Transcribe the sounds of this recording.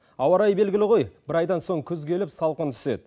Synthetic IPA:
ɑwɑɾɑjbe̞lɡʲɪlɪʁo̞jb̥ɪɾɑjd̪ɑnso̞ɴkʲʰɵzɡʲe̞lɪpsɑlˠqənt̪ʰʏ̥se̞d̪̚

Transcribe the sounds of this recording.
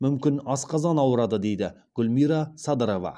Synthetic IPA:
mʏmkʲɪnɑsqɑzɑnɑwəɾɑd̪əd̪e̞jd̪ɪ | ɡ̥ʲʊlmijɾɑsɑd̪əɾo̞vɑ̰

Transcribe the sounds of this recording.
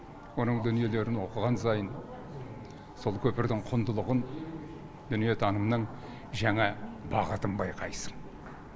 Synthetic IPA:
wo̞nəɴd̪ʏnije̞le̞ɾɪnwo̞qəʁɑnsɑjən | so̞lˠkʲʰɵpɪɾd̪ɪɴqʰʊnd̪əlˠəʁən | d̪̥ʏnije̞t̪ʰɑnəmnəɴ | ʒæŋɑbɑʁət̪əmbɑjqʰɑjsəm

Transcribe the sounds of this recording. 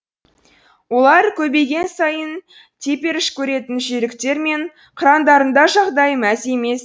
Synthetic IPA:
wo̞lˠɑɾkʲʰɵbe̞jɡʲe̞nsɑjən | t̪ʰe̞pe̞ɾɪʃkʲʰɵɾe̞t̪ɪnʒeɾɪkt̪e̞ɾme̞ɴ | qʰəɾɑnd̪ɑɾənd̪ɑʒɑʁd̪ɑjmæze̞me̞s

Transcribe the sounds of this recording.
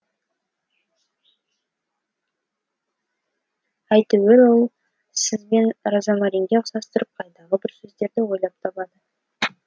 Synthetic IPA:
æjt̪əwelolˠ | sɪzbe̞nɾɑzɑmɑɾiŋɡʲesɑst̪əɾəp̚qʰɑjt̪ɑʁəbɪɾsɵzd̪e̞ɾd̪ɪwo̞jlˠɑp̚t̪ʰɑpɑd̪ə

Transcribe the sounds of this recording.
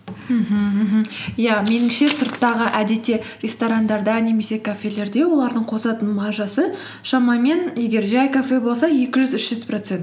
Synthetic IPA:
m̩ɦ̩ɦm̩jame̞nɪŋʃe̞səɾt̪ːɑʁəʔæd̪e̞t̪ːe̞rʲest̪oɾand̪ɑɾd̪ɑne̞me̞se̞kʰafʲe̞le̞ɾd̪e̞wo̞lˠɑɾd̪əɴqʰo̞sɑt̪ənmɑʒɑsə | ʃɑmɑme̞nje̞ɡʲe̞ɾʒæjkafe̞bo̞lˠsɑje̞kʲɪʒʏzʏʃʒʏzpro̞t̪se̞nt̪

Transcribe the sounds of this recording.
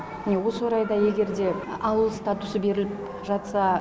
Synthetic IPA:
mne̞wo̞səwoɾɑjd̪ɑje̞ɡʲe̞ɾd̪e̞ɑwəlˠst̪at̪ʊsəbe̞ɾɪlɪp | ʒɑt̪sɑ

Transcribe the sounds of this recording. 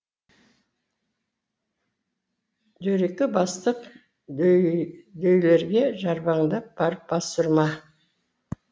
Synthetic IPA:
d͡ʒ̪ɵɾekʲɪbɑst̪əq | d̪ɵjle̞ɾɡʲe̞ʒɑɾbɑɴd̪əb̥ɑɾəp̚bɑsʊɾmɑ

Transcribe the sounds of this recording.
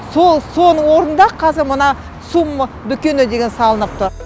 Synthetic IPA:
so̞lˠso̞nəwo̞ɾənd̪ɑqʰɑzɪɾmənɑ | sum | d̪ʏkʲe̞nɪd̪e̞ɡʲe̞nsɑlˠənəp̚t̪ʊ

